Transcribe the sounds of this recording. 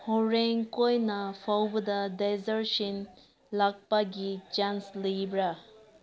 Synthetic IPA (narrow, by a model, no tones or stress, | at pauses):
hoɾeŋkojnɐpʰawbɐd̪ɐdezɐɾsin | lak̚pɐɡid͡ʒanslibɾa